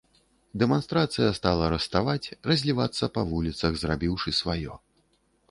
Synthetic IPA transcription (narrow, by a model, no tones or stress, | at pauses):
d̪ɛmanst̪ɾat̪sɨjɐst̪alˠɐɾɐst̪avat͡sʲrɐzʲlʲivat̪sːɐpɐvulʲit̪sɐɣzrabʲiwʂɨsvajɔ̰